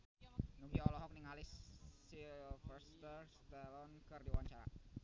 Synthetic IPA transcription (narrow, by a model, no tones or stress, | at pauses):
nuɡiaɔlɔɦɔk̚nɪŋalɪsː | ilfɛst̪ərst̪ɛlɔnkɨrdiwaɲt͡ʃaɾa̰